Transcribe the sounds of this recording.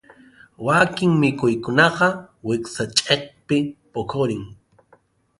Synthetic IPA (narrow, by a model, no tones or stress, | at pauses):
wakɪŋmɪkʊjkʊnɑqɑwɪksat͡ʃʼeχpɪpokʰoɾɪŋ